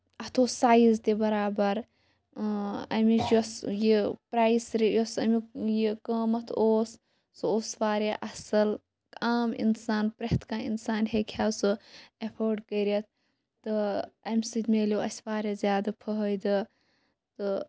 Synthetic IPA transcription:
ɐt̪ʰoːsaːjizt̪ebɐɾaːbɐɾ | ɐ̰mid͡ʒosjipɾaːisɾijosɐmijikəːmɐt̪ʰoːs | sɨoːsʋaːɾeʔɐsɐl | aːmḭnsaːnpɾɐht̪ʰkaːḭnsaːnɦekʲʰaːsɨepʰoːɾɖkɐɾɐt̪̚ʰː | ɨɐmʲsɨd̪ʲmeːloɐsʲʋaːɾezʲjaːd̪ɐpʰɐɦəjd̪ɨ | t̪ɨ

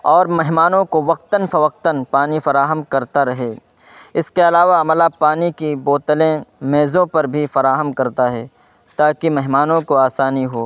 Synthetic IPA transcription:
ɔːɾmɛɦmaːnõkoʋɐq̚t̪ənfɐʋɐq̚t̪ənpaːnifɐɾaːɦəmkɐɾt̪aɾɐɦeː | ɪskeɐlaːʋaɐməlapaːnikiboːt̪əlẽmeːzõpɐɾbʱifɐɾaːɦəmkɐɾt̪aɦɛː | t̪aːkimɛɦmaːnõkoaːsaːniɦoː

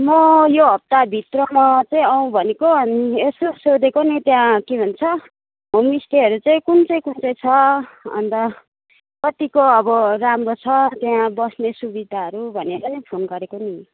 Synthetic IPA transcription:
mʌjoɦʌp̚t̪abʱit̪rʌmʌt͡saĩʌw̃bʱʌnekoʌnesosod̪ekonit̪jãkebʱʌnt͡sʰʌ | mʌmist̪iɦʌɾut͡saĩkunt͡sʌĩkunt͡sʌĩt͡sʰʌʌ̰nt̪ʌ | kʌt̪ikoʌbʌramrot͡sʰʌt̪jãbʌsnesubid̪ʱaɦʌɾubʱʌneʌɾʌnipʰonɡʌɾekoni

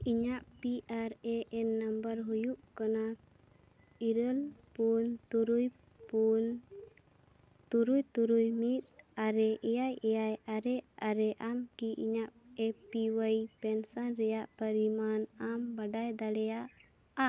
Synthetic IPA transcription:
iɲaʔpiʔaɾɛʔɛnːəmbəɾɦujuʔkana | iɾəlpunt̪uɾuj | pun | t̪uɾujt̪uɾujmit̪̚aɾɛʔɛjajɛjajaɾɛʔaɾɛʔamkiʔḭɲaʔɛpiwəjpɛnsanɾɛjaʔpəɾimanambaɖajd̪aɽɛjaʔ | aʔ

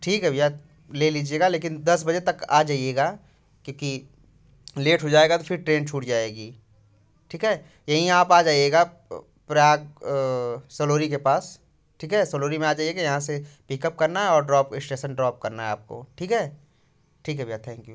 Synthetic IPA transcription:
ʈʰiːkɦɛbija | leliːd͡ʒieːɡaleːkɪnd̪ɐsbɐd͡ʒet̪ɐka̰ːd͡ʒaːieːɡaː | koːki | leːʈɦod͡ʒaːeɡat̪ofʰɪɾʈɾeːnt͡ʃʰuːʈd͡ʒaːeːɡiː | ʈʰiːkɦɛ | jɐɦĩaːpaːd͡ʒaːieːɡa | pɾjaːɡ | sɐloːɾikepaːs | ʈʰiːkɦɛsəloːɾimẽaːd͡ʒaːieːɡajɐɦãsepikəp̚kɐɾnaɦɛɔːɾɖɾɔːpɪsʈeːʃənɖɾɔːp̚kɐɾnaɦɛaːp̚ko̰ʈʰiːkɦɛ | ʈʰiːkɦɛbijaːt̪ʰɛ̃ːŋkjuː

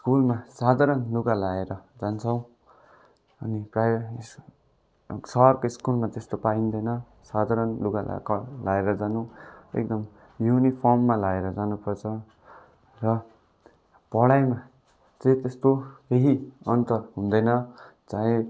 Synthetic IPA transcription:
skulmasad̪ʱaɾʌnluɡalaeɾʌd͡zant͡sʰʌw̃ | ʌniprajs | sʌʌrkoiskulmat̪est̪opaĩnd̪ʌjnʌ | sad̪ʱaɾʌnluɡa̰kʌlaeɾʌd͡zanuḛk̚d̪ʌm | junipʰʌrmːalaeɾʌd͡zanupʌrt͡sʰʌ | rʌ | pʌɽajma | t͡sʌĩt̪est̪oeɦiʌnt̪ʌrɦũnd̪ʌjnʌt͡saĩ

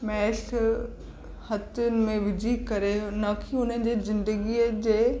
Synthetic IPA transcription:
mɛːʃ | hɐt̪ʊnɪ̆mẽʋɪd͡ʑʱikɐɾenɐkʰiʊn̤ən̆d͡ʑeːzɪ̃nd̪əɡiːəd͡ʑeː

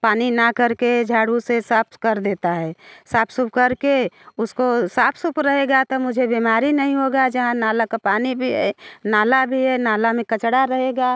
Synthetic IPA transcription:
paːninakɐɾked͡ʒʱaːɽusesaːpʰkɐɾd̪eːt̪aɦɛːsaːpʰsʊp̚kɐɾkeʊskosaːpʰsʊpɾɐɦeɡat̪omʊd͡ʒʱebeːmaːɾinɐɦĩɦoːɡad͡ʒɐɦãnaːlakapaːnibʱiɦɛ̰ːnaːlabʱiɦɛːnaːlamẽkɐt͡ʃɽaɾɐɦeːɡaː

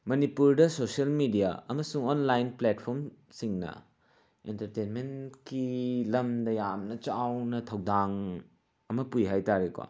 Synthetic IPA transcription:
mɐnipuɾdɐsoselmidija̰ɐmɐsuŋonlajnplet̚pʰoɾm | siŋnɐ̰ | entɐɾtenmenkilɐmdɐjamnɐt͡ʃawnɐtʰɐwdaŋ | ɐmɐpujɦajtaɾeka̰

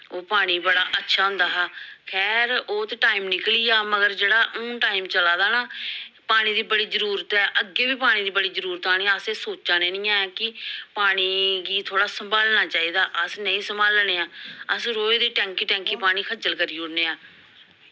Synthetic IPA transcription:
oːpaːɽ̃iːbəɽaːʔətːʃʰaːɦʊ̃nd̪aːɦaːkʰɛːɾoːt̪eːʈaːimnɪkliːaːməɡəɾd͡ʒeːɽaːʔʊ̃ːʈaːimt͡ʃəlaːd̪aːnaːpaːɽ̃ĩːd̪iːbəɽiːzəɾuːɾət̪ɛːʔəɡeːbiːpaːɽ̃iːd̪iːbəɽiːzəɾuːɾət̪aːñeːaəseːsoːaːneːnɪ̃ːãːkɪpaːɽ̃iːɡiːt̪ʰoːɽaːsəmbaːlnaːt͡ʃaːiːd̪aːʔəsnəĩːsəmbaːlneːãːəsɾoːiːd̪eːʈɛ̃ːŋkiːʈɛ̃ːŋkiːpaːɽ̃ĩːkʰəd͡ʒəlkəɾiːʊɽneːaː

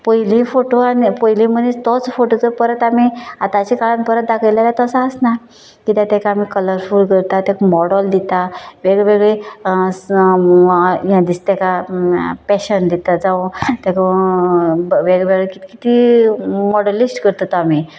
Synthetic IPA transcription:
pəjlĩfoʈoanpəjlĩmənist̪ɔt͡sfoʈot͡səpəɾət̪amiat̪ãt͡ɕikaɭanpəɾət̪̚d̪akʰəjlalat̪əsaəsna | kit̪ãt̪ɛkaːmikələɾfuːlkəɾt̪at̪akumɔɽəld̪it̪aʋeɡɭeʋeɡɭe | jãd̪ist̪ɛka | pɛɕənd̪it̪ad͡zaʋot̪ako | ʋeɡʋeɡɭekit̪kit̪i | mɔɽəlːisʈkəɾt̪ət̪ami

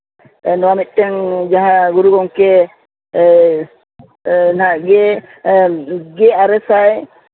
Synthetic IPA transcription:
nɔwamit̪̚ˀʈɛŋd͡ʒaɦãɡuɾuɡɔŋkɛ | naɡɛ | ɡɛaɾɛsaj

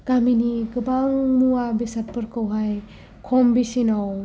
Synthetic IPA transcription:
ɡ̥aminiɡɯbaŋmuabisat̚pɯɾkɯwɦaj | kʰɔmbisinaw

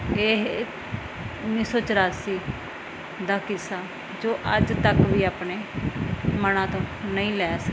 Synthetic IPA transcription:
eːɦ | ʊnːiːsɔːt͡ʃəɾaːsiː | d̪aːkɪsaː | d͡ʒoːʔəd͡ʒt̪əkʋiːaːpneː | mənãːt̪õːnəĩːlɛːs

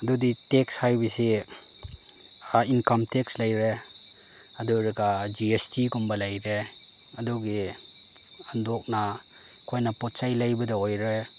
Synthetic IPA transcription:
ɐduditekshajbisi | ainkamtekslajɾe | ɐduɾeɡad͡ʒiestiɡumbɐlajɾe | ɐduɡi | andɔk̚na | kʰojnapɔt̚sajlajbɐdaojɾe

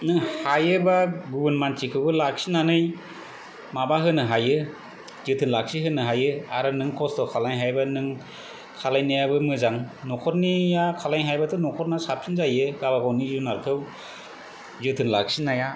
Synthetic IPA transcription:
nɯŋhajɯbaɡubɯnmantʰikʰɯwbɯlak̚sinanɯj | mabaɦɯnɯɦajɯ | zɯtʰɯnlak̚siɦɯnɯɦajɯaɾɯnɯŋkʰɔstɔkʰalaŋɦajbanɯŋ | kʰalajnajabɯmɯzaŋnɔkʰɔt̚nijakʰalajŋɦajbatʰɯnɔkʰɔtnasap̚sʰinzajɯɡabaɡɔwnizunaɾkʰɯw | zɯtʰɯnla̰ksinaja

